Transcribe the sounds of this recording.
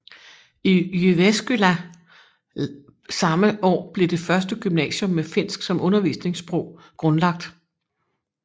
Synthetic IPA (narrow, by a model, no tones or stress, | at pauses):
ijyʋesɡ̥ylæ | sɑ̈məʔɒ̰ːb̥le̝d̥e̝fɶɐsd̥əɡ̥ymnɛ̰ːɕjɔ̽mːefe̝n̰sɡ̥sɒ̽mʔɔ̽nɐʋḭːsne̝ŋsb̥ʁɔ̰ʊ̰ | ɡ̥ʁɔ̽nlɑ̈ɡ̥̚d̥